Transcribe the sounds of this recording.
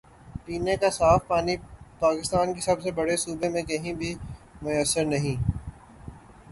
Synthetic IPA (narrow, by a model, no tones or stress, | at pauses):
piːnekasaːfpaːnipaːkɪst̪aːnkisɐbsebɐɽesuːbemẽkɐɦĩbʱi | mʊjəsːəɾnɐɦĩː